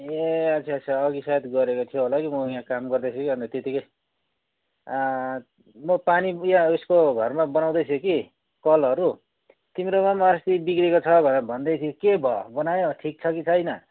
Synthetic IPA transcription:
eʌt͡sʰiʌsʰʌʌɡisat̪ɡʌɾekot̪ʰijoɦolakimʌjãkamɡʌrd̪ʌjt͡sʰukiʌnt̪ʌt̪et̪ikʌj | mʌpanijãuskoɡʱʌrmabʌnaw̃d̪ʌjt͡sʰuki | kʌlʌɾu | t̪imɾomamast̪ibikɾekot͡sʰʌbʱʌnebʱʌnd̪ʌjt̪ʰjokebʱʌbʌnajõʈʰik̚t͡sʰʌkit͡sʰʌjnʌ

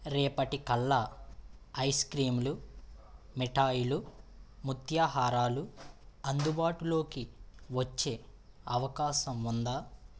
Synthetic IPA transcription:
ɾɛːpɐʈikɐlːɐ | ɐjskɾiːmlu | miʈaːjulumut̪ʰjaːɦaːɾaːluɐnd̪ubaːʈulo̞ːkiʋɐt͡ʃːe̞ː | ɐʋɐkaːʃɐmund̪aː

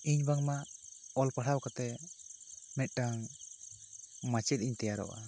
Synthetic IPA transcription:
iɲbaŋmaɔlpaɽʰawkat̪ɛ | mɛt̪̚ˀʈaŋ | mat͡ʃɛt̪̚iɲt̪ɛjaɾɔ̰ʔa̰

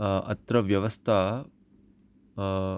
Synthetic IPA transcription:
ɐ̰t̪ɾɐʋjɐʋɐst̪ʰa

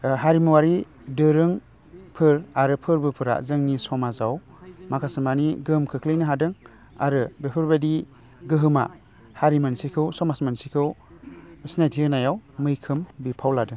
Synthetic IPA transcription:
ɦaɾimɯwaɾi | dɯɾɯŋ | pʰɯɾaɾɯpʰɯɾbɯpʰɯɾa̰zɯŋnisɔmazaw | makʰasɯmaniɡɯɯmkʰɯkʰlɯjnɯɦadɯŋ | a̰ɾɯbepʰɯɾbadi | ɡɯɦɯma̰ | haɾimansikʰɯwsɔmasmansikʰɯw | ɯsnadiɯnajawmɯjkʰɯmbipʰawladɯŋ

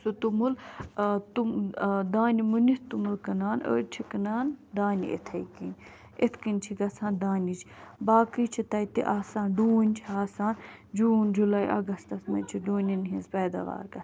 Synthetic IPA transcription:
sut̪umul | t̪ud̪aːnimuniht̪umulkɐnaːnə̰ːɾt͡ʃʰikɐnaːnd̪aːnḭʔḛt̪ʰɐjkinʲ | et̪ʰkinʲt͡ʃʰiɡɐsʰaːnd̪aːnit͡ʃʰbaːkɨt͡ʃʰit̪ɐit̪ḭʔaːsãːnɖuːnʲt͡ʃʰaːsaːnd͡ʒuːnd͡ʒulaːiʔɐ̰ɡɐst̪ɐsmɐ̰t͡ʃʰiɖuːnʲinɦĩnzpɛːd̪a̰ʋa̰ːɾɡɐs

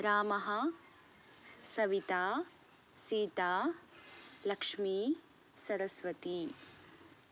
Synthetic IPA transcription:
ɾaːmɐɦɐ | sɐʋit̪aː | siːt̪aː | lɐkʂmiː | sɐɾɐsʋɐt̪i

